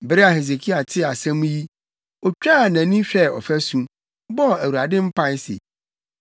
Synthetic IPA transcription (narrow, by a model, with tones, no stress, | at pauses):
bɪ˨˦ɾɪ˦a˨he˨s̬e˨kʰi˦a˨tʰɪ˦a˨sã˦mũ˦ji˦ | ɔ˨t͡ɕᶣa˦˨nã˨˦nĩ˦ɕᶣɛ˦˨ɔ̰˨fæ˦sũ˦ | bɔ˦˨æ˨wu˨ɾa˨dɪ̃˦m̩˦pʰã˦n˦sḛ˨